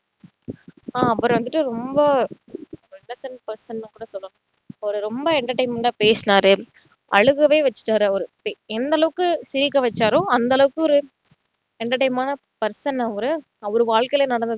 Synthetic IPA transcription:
aːɐpːɐɾʋɐnd̪ɯʈːɯɾɔmbɐ | ɛlɐsɐnpɐɾsɐnːɯ̃kuːɽɐsɔlːɐ̃ | ɔɾɯɾɔmbɐɛɳɖɐʈɐɪmɐɖapeːsɪnaːɾɯ | ʔɐɻɯɣɐʋeːʋɐt͡ʃːɪ̥ʈːaːɾɯɔɾɯpeɛnd̪ɐlɐʋɯkːɯsɪɾɪkːɐʋɐt͡ʃːaːɾʊ̃ɐnd̪ɐlɐʋɯkːɯɔɾɯ | ɛɳɖɐʈːɐɪmaːnɐ | pɐɾsɐnːɐɔɾɯ | ɔɾɯʋaːɭkɐɪleːnɐɽɐnd̪ɯ

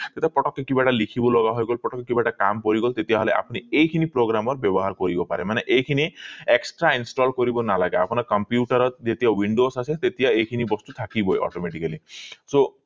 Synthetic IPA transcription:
t̪et̪iapɔʈɔkːekibaʈalikʰibɔlɔɡaɦɔjɡɔlpɾɔʈɔkːekibaʈakampɔɾiɡɔlt̪et̪iaɦɔleʔa̰puniejkʰinipɾoɡɾamɔɾbjɔbɔɦaɾkɔɾibɔpa̰ɾemaneʔejkʰinieksʈɾainsʈɔlkɔɾibɔnalaɡeapɔnakɔmpjuʈaɾɔt̪d͡ʒet̪iawiɳɖosaset̪et̪iaejkʰinibɔst̪ut̪ʰakibɔjɔ̰ʈɔmeʈikaliso

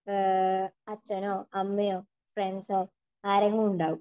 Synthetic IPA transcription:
ɐt͡ɕːɐnoɐmːɐjoː | fɾeɳɖsoː | aːɾeŋɡɐɭuɳɖaːʋu

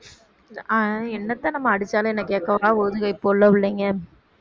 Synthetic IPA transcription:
ɛnːɐt̪ːaːnɐmːɐɐɽɯt͡ʃːaːlɐ̃ɛnːɐkːeːkːɐʋaːoːðɯɣɐɪpːoːɭːɐʋɪɭːeŋɡɐ

